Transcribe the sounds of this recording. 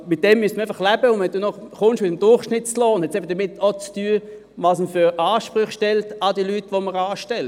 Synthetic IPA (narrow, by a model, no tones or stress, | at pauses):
mɪt̚d̥ɛmːyəstəæɪfɐχlæbəʊnʋɛnd̥uːnɔχχʊnʃtmɪtəmd̥ʊɐχʃnɪtt͡sloːnhɛtt͡sɛbəd̥əmɪtot͡styːə | vɑːsməføʁɑːʃpʁʊχʃtɛltɑdiəlyːtːʋoməɾɑːʃtɛl